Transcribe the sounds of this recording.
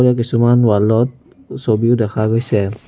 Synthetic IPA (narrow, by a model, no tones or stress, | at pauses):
ɾiak̬isumanwalɔt̪̚ | sɔbiudɛkʰaɡɔjsɛ